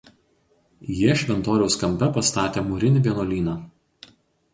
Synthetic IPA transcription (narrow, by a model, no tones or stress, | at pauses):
jiʃʲʋʲɛnt̪oːɾʲɛʊskɐmʲpʲɛpɐst̪ɑːt̪ʲeːmʊɾʲɪnʲɪʋʲiɛnoːlʲiːnɑː